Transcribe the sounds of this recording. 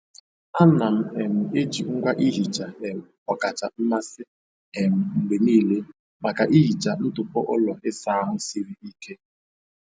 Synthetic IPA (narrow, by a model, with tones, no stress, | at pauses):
a˦na˨m̩˨e˨m̩˨e˦d͡ʒi˨ŋ̩˦ɡʷa˦ʔi˦ɦi˨t͡ʃa˨e˨m̩˨ɔ˨ka˨t͡ʃa˨m̩˦ma˦sɪ˦ | e˨m̩˨ŋ̩˨ɡ͡be˨niː˦˨le˦ | ma˨ka˨ʔi˦ɦi˨t͡ʃa˨n̩˦tʊ˨pɔ˦ʔɔ˦lɔ˨ʔɪ˦sa˦a˦ɦʊ˦si˦ɾi˦i˦kʰe˦